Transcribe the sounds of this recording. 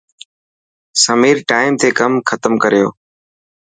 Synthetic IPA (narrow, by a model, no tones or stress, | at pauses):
səmiːɾʈaːɪmt̪ʰeːkəmxʰət̪əmkəɾɪjoː